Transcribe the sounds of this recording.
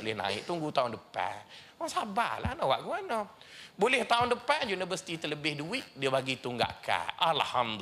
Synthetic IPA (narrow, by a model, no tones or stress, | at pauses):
olɪhnã̰ɪ̰k̚t̪uŋɡut̪aundəpa̰nwaŋsabahla̰hnɔwaʔɡuanɔbolɛht̪aʊndəpanjunibəsi̥t̪it̪ələbɪhduɪt̪̚diəbaɡit̪uŋɡa̰ʔka̰ʔalhamd̪